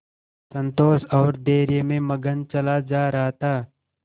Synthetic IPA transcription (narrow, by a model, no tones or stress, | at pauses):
sə̃nt̪oːsɔːɾd̪eːɾjemẽməɡənt͡ʃɐlad͡ʒaːɾɐɦt̪aː